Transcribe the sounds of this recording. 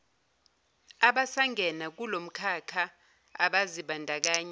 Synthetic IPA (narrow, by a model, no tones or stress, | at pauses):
aɓasaŋʱɛnak̬ulom̩kʰakʰa | aɓaziɓandʱak̬aːɲa